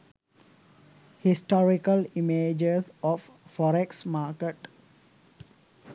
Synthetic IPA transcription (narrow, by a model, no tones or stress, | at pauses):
hisʈɔɾikəlimeːd͡ʒesɔf | fɔɾeksmaːkeʈ